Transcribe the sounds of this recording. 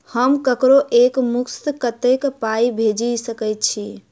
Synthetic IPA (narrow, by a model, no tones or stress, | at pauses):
həmkəkɾoʔekmukskət̪ekpaibʱed͡ʒisəkət̪̚t͡ʃʰi